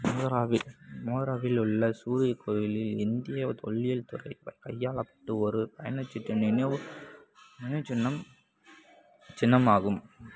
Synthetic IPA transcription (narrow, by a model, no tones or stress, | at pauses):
moːðɐɾaːʋɪmoːðɐɾaːʋɪlʊɭːɐsuːɾɪjɐkʰːɔjɪlɪlɪnd̪ɪjɐt̪ɔ̰ɭːɪjɐlt̪ʊɾɐɪʋɐkɐjːaːɭɐpːɐ̥ʈːɯɔɾɯpɐjɐnɐt͡ʃːɪʈːɐneneɯ | nɪnɐt͡ʃɪnːɐm | t͡ʃɪnːɐmaːɣɯm